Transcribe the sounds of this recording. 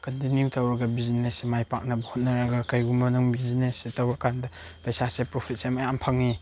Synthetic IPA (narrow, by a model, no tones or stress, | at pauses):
kɐdiniwtɐwɾɐɡɐbizinesemajpak̚nɐbɐhot̚nɐɾaɡɐkajɡumɐnɯŋbizinesetɐwɾɐkandɐ | pɐjsasepɾopʰit̚semajampʰɐŋːi